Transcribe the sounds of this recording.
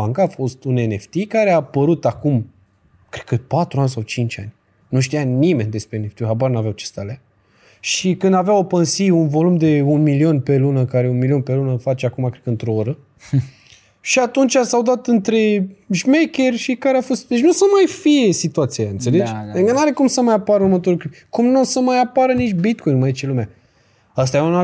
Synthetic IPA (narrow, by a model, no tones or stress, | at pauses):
aŋkaːfo̞st̪une̞ne̞ft̪ikaɾeapəɾut̪akum | kɾet̪kəpat̪ɾuanʲsawt͡ʃint͡ʃanʲ | nuʃ̬t̪ijanime̞nʲd̪e̞spɾeːneft̪iɦabarnavjawt͡ʃe̥st̪alea | ʃikɨnd̪aveawopənsiunvo̞lumd̪e̞unmilio̞nʲpe̞lunəkaɾe̞unmilio̞npe̞lunəfat͡ʃeakumakɾekəɨnt̪ɾo̞oɾə | ʃiat̪unt͡ʃʲasawd̪at̪ɨnt̪ɾe̞ʒmekʲe̞rʲʃikaɾeafo̞st̪̚d̪e̞t͡ʃʲnusəmajfije̞sit̪uat̪siaaɨnt̪se̞led͡ʒŋkənaɾe̞kumsəmajapaɾəuɾmət̪o̞ɾulkɾupkumnusəmajapaɾənit͡ʃʲbit̪̚kʰojnmajit͡ʃelumʲa | ast̪ajuna